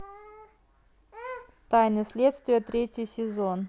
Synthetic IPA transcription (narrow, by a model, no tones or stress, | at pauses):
t̪ajnɨsʲlʲet̪st̪vʲɪjət̪ɾʲetʲjɪjsʲɪzon